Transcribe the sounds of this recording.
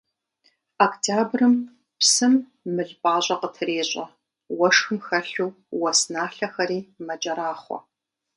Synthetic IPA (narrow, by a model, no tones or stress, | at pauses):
aktʰaːbrɨm | psɨmː | ɨɮpʼaːɕʼɐqətʰɨɾeːɕʼɐ | wɐʂxɨmxɐɬuw | wɐsnaːɬɐxɐɾiːmɐt͡ʃʼɐɾaːχʷɔ̰